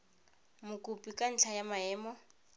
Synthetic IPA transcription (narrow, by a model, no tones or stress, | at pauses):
mʊkʼupʼikʼan̩t͡ɬʰajamaɛːmɔ